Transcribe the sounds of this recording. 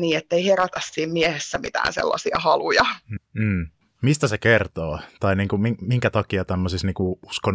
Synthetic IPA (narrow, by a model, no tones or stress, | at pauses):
niːet̪ːeiheræt̪æssiːmmiehesːæmḭt̪æ̰ːnsḛlːɑ̰siɑ̰hɑlujɑː | mist̪æsekert̪oːt̪ɑiniːŋkumiŋmiŋkæt̪ɑkiɑt̪æmːøsisniːŋkuuskon